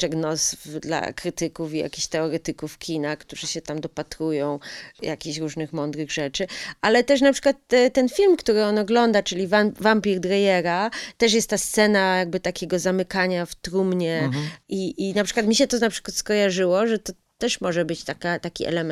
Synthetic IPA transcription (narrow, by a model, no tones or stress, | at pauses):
t͡ʂɛɡnɔsfd̪la̰kɾɘt̪ɘkufija̰kʲiɕt̪ɛɔɾɛt̪ɘkufkʲʰinakt̪uʐɛɕɛt̪amd̪ɔpat̪ɾujɔ̃w̃jakʲiɕɾuʐnɘxmɔnd̪ɾɘɣʐɛt͡ʂɘʔalɛt̪ɛʂ̬napʂɘ̥kwat̪ːt̪ɛnfʲilmkt̪uɾɘɔnɔɡlɔnd̪at͡ʂɘlʲivavampʲiɾd̪ɾajɛɾat̪ɛʂ̬jɛst̪t̪ːast̪sɛnajaɡ̚bɘt̪akʲɛɡɔzamɘkaɲaft̪ɾumɲɛiʔinapʂɘkwat̪mʲiɕɛt̪ɔnapʂɘ̥kwat̪skɔjaʐɘwɔʐɛt̪ɔ | t̪ɛʂmɔʐɛbɘt͡ɕt̪akat̪akʲiʔɛ̰lɛmɛ